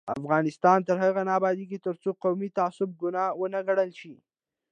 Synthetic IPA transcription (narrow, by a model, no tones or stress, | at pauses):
a̰fɣɑnɪst̪ɑnt̪əɾɦaɣanɑːbɑd̪iɡit̪əɾt͡soqawmit̪aasʊb̚ɡʊnɑwənaɡaɽəlʃi